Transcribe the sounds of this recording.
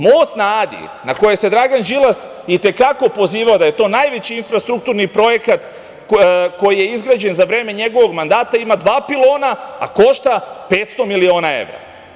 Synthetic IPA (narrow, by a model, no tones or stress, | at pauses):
mosnaːd̪ḭ | nako̞jese̞d̪ɾaɡand͡ʒilˠas | it̪e̞kako̞po̞ziːʋaod̪aje̞t̪o̞ːnajʋet͡ɕiinfɾast̪ɾuk̚t̪uɾnipɾo̞je̞kat̪ | ko̞jije̞izɡɾaːd͡ʑe̞nzaʋɾe̞ːmeɲe̞ɡo̞ʋo̞ɡmand̪aːt̪aimad̪ʋaːpilˠo̞ːnaa̰ko̞ʃt̪ape̞ːt̪st̪o̞milio̞ːnae̞̰ʋɾa̰